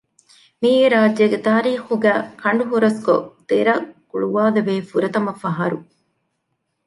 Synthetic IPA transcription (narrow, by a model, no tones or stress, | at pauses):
miːɡeɾaːd͡ʒːeɡet̪aːɾiːxuɡæːkɐɳ̆ɖuɦuɾɐsko̰t̪eɾɐkuɭuʋaːd̪eʋeːfuɾɐt̪ɐmɐfɐɦɐɾu